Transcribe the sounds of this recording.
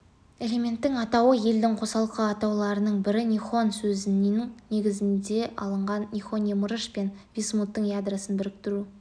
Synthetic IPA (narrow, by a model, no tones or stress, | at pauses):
e̞le̞mʲe̞nt̪ːɪŋɑt̪ɑwəje̞ld̪ɪŋqʰo̞sɑlˠəqəɑt̪ɑwlˠɑɾənəɴbɪɾɪnʲijχo̞nsɵzɪnɪŋne̞ɡʲɪzɪnd̪e̞ʔɑ̰lˠəɴʁɑnnʲiχo̞nʲjeməɾəʃpe̞nvʲismut̪ːəɴjad̪rasənbɪɾɪk̚t̪ɪɾu